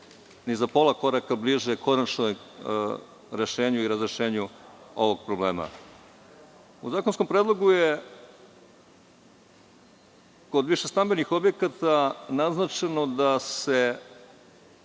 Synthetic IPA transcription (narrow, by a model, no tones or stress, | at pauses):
nizapo̞lˠako̞ɾakabliʒekʰo̞nat͡ʃnoj | ɾe̞ʃeːɲuiɾazɾeʃeːɲuo̞̰ʋo̞ɡ̚pɾobleːma̰ | uzaːkonsko̞mpɾeːd̪lˠoɡuje | kod̪ʋiʃest̪ambenixo̞bje̞kat̪anaznat͡ʃe̞no̞d̪ase